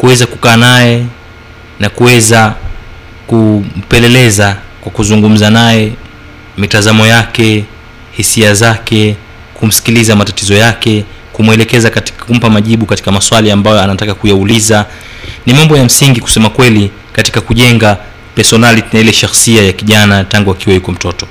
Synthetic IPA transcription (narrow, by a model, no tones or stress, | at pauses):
kuwɛzaku̥kaːnajɛ | nakuwɛza | kum̩pɛlɛlɛzakwakuzuŋɡum̩zanajɛ | mitazamɔjakɛ | hisiazakɛ | kum̩si̥kilizamatatizɔjakɛkumwɛlɛkɛzakati̥kum̩pamaʄiɓukati̥kamaswaliambajɔanatakakujauliza | nimambɔjam̩siŋɡiku̥sɛmakwɛli | kati̥kakuʄɛŋɡa | pɛɾsɔnalinajilɛʃaxsiajakiʄanataŋɡuakiwajukɔm̩tɔtɔ